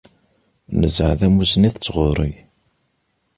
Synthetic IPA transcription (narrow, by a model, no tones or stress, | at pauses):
nəzəʕðæmuzniθət͡sːʁʊɾˤiʝ